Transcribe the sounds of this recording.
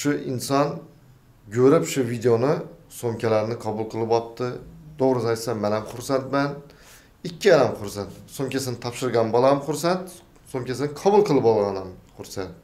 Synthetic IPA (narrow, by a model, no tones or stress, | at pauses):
ʃʊɪnsɒn | kʲʰɵɾɪpʃʊvid̪eonɪsomkʲʰalaɾnɪqʰɒbʊlˠqʰɨlˠɪpɒtt̪ːɪd̪̥oʁɾɨnɪajt̪samːanamχʊɾsant̪man | ɪkʲʰːɪanamχʊɾsant̪somkʲasɪnɪt̪ʰɒpʃɪɾɡʲanbɒlˠamχʊɾsant̪ | somkʲasɪnɪqʰɒbʊlˠqʰɨlˠɪpɒlˠʁɑnamχʊɾsant̪̚